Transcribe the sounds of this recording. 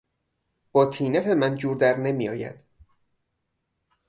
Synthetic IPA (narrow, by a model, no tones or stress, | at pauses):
b̥ɒːt̪ʰiːnæfe̞mænd͡ʒuːɾd̪æɾnemiːjɒːjæ̰d̪̥